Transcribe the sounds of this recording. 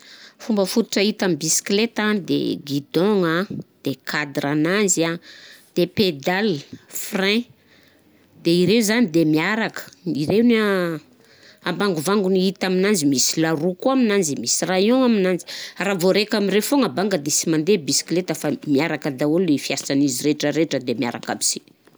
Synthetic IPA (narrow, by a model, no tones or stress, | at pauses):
fumbəfut̪u̥ʈ͡ʂəit̪ambisi̥klet̪ad̪ḛɡid̪ɔŋad̪̥ekʰad̪ɾananzad̪̥eped̪alfrẽ | d̪̥eiɾewzanid̪emiaɾakə̥iɾewna | ambaŋɡuvaŋɡuniit̪aminand͡zimisilaɾukuaminand͡zimisirajoŋaminand͡zi̥ravoɾekamiɾefoŋabaŋɡəd̪esimand̪ebisi̥klet̪afamiaɾakəd̪aulefijasaniziɾeʈ͡ʂəɾeʈ͡ʂəd̪emia̰ɾa̰ka̰bi̥si̥